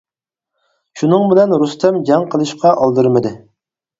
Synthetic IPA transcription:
ʃunɨŋbɪlɛnɾust̪ɛmd͡ʒɛŋqʰəlˠɨʃqʰɑʔɑlˠd̪ɨɾmɨd̪ɨ

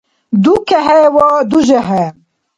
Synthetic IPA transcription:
d̪ukɛɦɛwɔːd̪uʒɛɦɛ

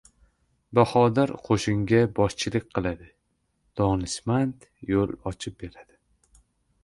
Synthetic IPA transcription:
bahɒd̪aɾqʰoʃɪŋɡʲabɒst͡ʃʰɪlˠɪk̚ʲqʰɨlˠad̪ɪ | d̪̥ɒnɪsmant̪ | jolˠɒt͡ʃʰɪp̚be̞ɾad̪̥ɪ

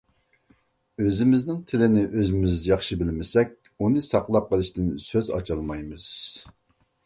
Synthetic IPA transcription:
øzɪmɪznɪŋt̪ʰɪlɪnɪʔøzɪmɪzd̪jɑχʃɨbɪlmɪsɛk̚ʲ | unɨsɑqlˠɑp̚qʰəlˠɨʃt̪ɨnsøzɑ̰t͡ʃʰɑlˠmɑjmɨz̥

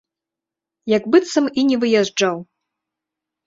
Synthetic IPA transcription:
jaɡbɨt̪sɐminʲɛvɨjaʐd͡ʐaw

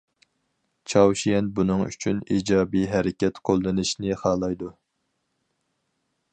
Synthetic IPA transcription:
t͡ʃʰɑwʃijɛnbunɨŋy̰t͡ʃʰyniːd͡ʒɑːbiɦɛɾɪkʲɛt̪qʰolˠːɨnɨʃnɪχɑːlˠɑjd̪u

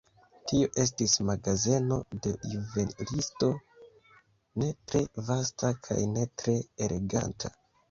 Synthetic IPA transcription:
tio̞ʔe̞s̬tismaɡaze̞no̞de̞juvenlisto̞ | ne̞tɾe̞vastakʰa̰jne̞tɾe̞ːlʔe̞ɡa̰ntʰa̰

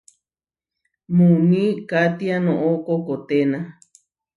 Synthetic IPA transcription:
mũnĩkat̪ianõʔokokot̪enã

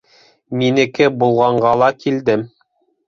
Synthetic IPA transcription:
minɘ̆kɘbulˠʁɑɴɢɑlˠɑkild̪ɘm

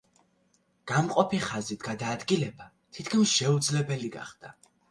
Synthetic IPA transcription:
ɡ̥amqʼɔpʰiχazit̪ʰɡ̥ad̪aːd̪ɡilɛba | t̪ʰit̪ʰkʰnisʃɛud̪zlɛbɛliɡa̰χd̪̥a

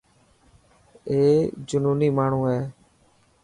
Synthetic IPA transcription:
eːd͡ʒʊnuːniːmaːɳ̤ũːɦɛː

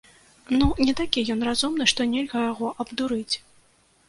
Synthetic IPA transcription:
nunʲɛt̪akʲijɔnrazumnɨʂt̪ɔnʲelʲɣɐjaɣɔʔɐbd̪uɾɨt͡sʲ

